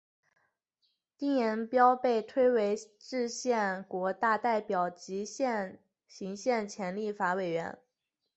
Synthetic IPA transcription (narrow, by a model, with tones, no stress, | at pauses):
t̪i˥˩ŋjɛ˧˥npjɑ˥ʊpe˥˩ɪt̪ʰwe˥ɪwe˧˥ɪ | ʈ͡ʂɻ̩˥˧ɕjɛ˥˩nkwɔ˧˥t̪a˥˧t̪a˥˩ɪpjɑ˨˩ʊt͡ɕi˧˥ɕjɛ˥˩n | ɕi˧˥ŋɕjɛ˥˩nt͡ɕʰjɛ˧˥nli˥˩fa˧˥we˨˩ɪɥɛ̰˧˥n